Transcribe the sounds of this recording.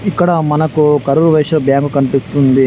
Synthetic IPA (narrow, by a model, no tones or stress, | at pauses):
ikːɐɽɐmɐnɐkukɐɾuɾuʋɐjʂɐbjaːŋkukɐnipist̪und̪i